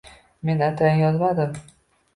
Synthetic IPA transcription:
me̞nat̪ʰaj̪jɒzmad̪ɪm

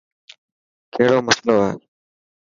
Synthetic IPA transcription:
kʰeːɽoːməsloːḛː

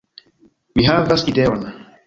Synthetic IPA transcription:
miɦavasidɛwana

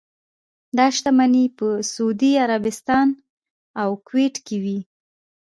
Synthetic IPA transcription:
d̪ɑʃt̪amanipəsʊud̪iaɾabɪst̪ɑn | awkweʈkewi

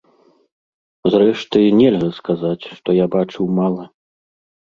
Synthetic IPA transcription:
zrɛʂt̪ɨnʲɛlʲɣɐskazat͡sʲʂt̪ɔjabat͡ʂɨwmalˠɐ

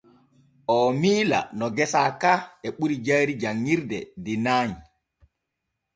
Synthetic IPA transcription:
ʔɔmiːla̰nɔɡɛsakaɛɓuɾid͡ʒajɾid͡ʒaŋːiɾdɛ̰dinaːɲi

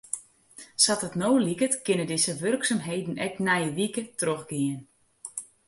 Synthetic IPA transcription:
satətnowlikətkɪnədɪzəʋørksamɦejdn̩ɛk̚nɛjəʋikətroxɡɪən

